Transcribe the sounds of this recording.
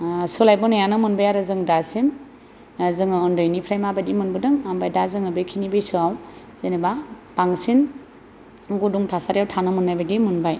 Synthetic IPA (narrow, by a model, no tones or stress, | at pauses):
sɔlajbɯnajanɯmɯnbajaɾɯzɯŋdasim | zɯŋɯɯndɔjnipʰɾajmabadimɯnbɯdɯŋambajdazɯŋɯbɯjkʰinibɯjsɯaw | z̥enebab̥aŋsin | ɡuduŋtʰasaɾijawtʰanɯmɯnːajbadimɯnbaj